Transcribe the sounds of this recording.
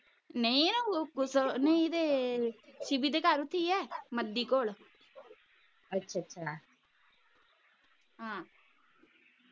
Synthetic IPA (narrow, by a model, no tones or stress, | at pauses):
neĩnokʊsneĩd̪eː | ʃibiːd̪eːkaɾʊt̪ʰːiːɛːməd̪ːiːkoːl | ətːʃʰaətːʃʰa | ɦãː